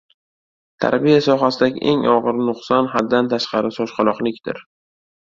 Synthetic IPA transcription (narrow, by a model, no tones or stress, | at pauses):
t̪ʰa̰ɾbijasɒɦasɪd̪aɡʲɪ̰ʔeŋɒʁɨɾnʊqsɒnɦad̪ːant̪ʰaʃqɑɾɪsɒʃqɑlˠɒqlˠɪkʲd̪̥ɪ̰ɾ